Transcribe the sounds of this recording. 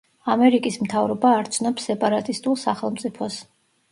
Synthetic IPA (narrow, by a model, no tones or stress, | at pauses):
amɛɾikʼismt̪ʰavɾɔbaːɾt͡ʃʰnɔpsːɛpʼaɾat̪ʼist̪ʼulˠsaχɛlˠmt̪sʼipʰɔs